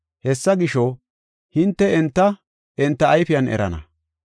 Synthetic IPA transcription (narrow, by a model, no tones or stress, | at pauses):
hɛsːɐɡɪʃo | hɪnt̪ːɛɛnt̪ːɐ | ʔɛnt̪ːɐːjfɪjɐnɛ̰ɾɐ̰nɐ̰